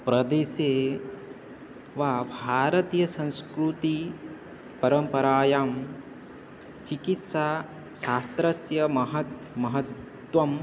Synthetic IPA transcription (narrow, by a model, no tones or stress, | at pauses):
pɾɐd̪eːseː | ʋaːbʱaːɾɐt̪ijɐsɐ̃nskɾut̪i | pɐɾɐmpɐɾaːjaːm | t͡ʃikit̪sa | ʃaːst̪ɾɐsjɐmɐɦɐt̪̚ | mɐɦɐt̪ | ʋɐm